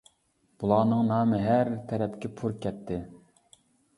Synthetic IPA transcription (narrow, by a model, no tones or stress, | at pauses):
b̥ulˠɑːnɨŋnɑːmɨɦæɾt̪ʰɛɾɛpkʲɛpʰuɾkʲɛt̪ʰːɪ